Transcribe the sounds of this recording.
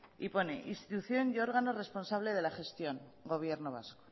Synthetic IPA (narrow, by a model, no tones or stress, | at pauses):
ipo̞ne̞ʔinst̪it̪uθjo̞njo̞ɾɣano̞re̞spo̞nsaβ̞le̞ð̞e̞laxe̞st̪jo̞ŋ | ɡo̞β̞je̞ɾno̞β̞a̰sko̥